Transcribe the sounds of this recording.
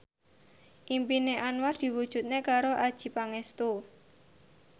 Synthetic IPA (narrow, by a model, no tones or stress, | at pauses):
ʔimpineʔanward̪̥i̤wud̥ʒ̥ṳt̪̚nekaɾoʔad̥ʒ̥i̤paŋest̪u